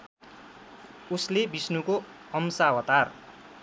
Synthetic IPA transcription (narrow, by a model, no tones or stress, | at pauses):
uslebisnuko | ʌmsawʌt̪ar